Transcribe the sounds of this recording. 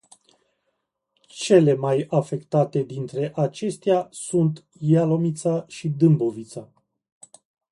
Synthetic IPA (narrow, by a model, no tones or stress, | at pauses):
t͡ʃe̞le̞majafe̞kt̪at̪e̞d̪int̪ɾe̞ʔat͡ʃe̞st̪easunt̪ | jalo̞mit̪saʃid̪ɨmbo̞vit̪sa